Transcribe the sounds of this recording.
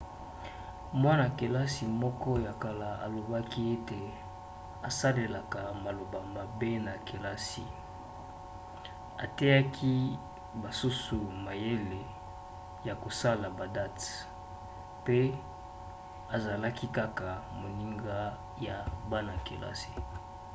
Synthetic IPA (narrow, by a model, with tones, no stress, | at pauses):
mwa˦na˨ke˨la˦si˨mɔ˦kɔ˦ja˨ka˨la˨a̰˨lo˨ba˦ki˦e˦te˨ | a˨sa˦le˨la˨ka˨ma˨lo˨ba˨ma˨be˦na˨ke˨la˦sḭ˨ | a˨te˦ja˦kʰi˦ | ba˨su˦su˨ma˨je˦le˨ | ja˨ko˨sa˦la˨ba˨da˦t | pe˦ | a˨za˨la˦ki˦ka˦ka˨mo˨ni˦ŋɡa˦ | ja˨ba˦na˨ke˨la̰˦si̥˨